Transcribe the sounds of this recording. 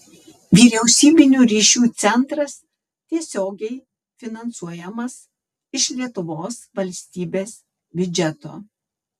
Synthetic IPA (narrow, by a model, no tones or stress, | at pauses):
ʋʲiːɾʲɛʊsʲiːbʲɪnʲuːɾʲiːʃʲuːt̪sʲɛnˑt̪ɾɐs | t̪ʲiɛsʲoːɡʲɛɪ | fʲɪnɐnsuɔjɛmɐs | ɪʃlʲiɛt̪ʊʋoːsʋɐlʲsʲt̪ʲiːbʲeːs | bʲʊd͡ʒʲɛt̪o̰ː